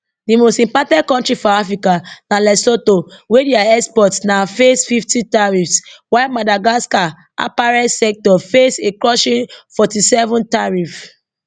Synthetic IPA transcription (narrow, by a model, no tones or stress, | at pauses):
dimostĩmpɔtɛ̃d̚kɔ̃ntɹifɔafɹikanalɛsotowediaɛkspɔtsnafesfiftitaɹifswamadaɡaska | a̰paɹɛtsɛk̚tɔfesekɹɔʃĩnfɔtisɛvɔ̃ntaɹif